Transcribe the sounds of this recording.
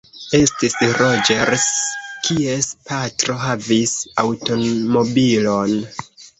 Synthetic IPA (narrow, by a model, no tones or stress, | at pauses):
e̞stisɾo̞d͡ʒeɾskʰie̞spatɾo̞ɦavisawto̞mo̞bilo̞n